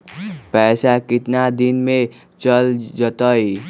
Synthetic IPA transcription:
pɛsakɪt̪nad̪inme | t͡ʃəld͡ʒət̪əj

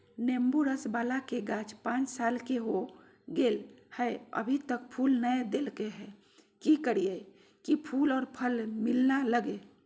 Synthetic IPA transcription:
nembuɾəsbaːlakeɡat͡ʃpãt͡ʃsalkeɦo | ɡelhəeə̰bʱit̪ək̚pʰulnəjd̪elkeɦɛ | kikəɾijə | kipʰulɔːɾpʰəlmilnaləɡe

